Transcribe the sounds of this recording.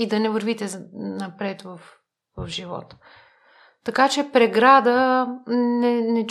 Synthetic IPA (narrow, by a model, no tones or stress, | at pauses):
id̪ɐnɛvəɾvit̪ɛnɐpɾɛt̪vɐf | vɐfʒivɔ̰t̪ | t̪ɐkat͡ʃɛpɾɛɡɾad̪ə | nɛnɛt͡ʃ